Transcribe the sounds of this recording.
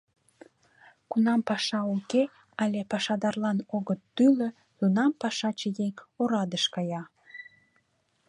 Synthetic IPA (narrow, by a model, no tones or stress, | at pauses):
kunɑmpɑʃɑuke | ɑlʲepɑʃɑd̪ɑrlɑnoɣət̪ːylə | t̪unɑmpɑʃɑt͡ɕəjeŋoɾɑd̪əʃkɑjɑ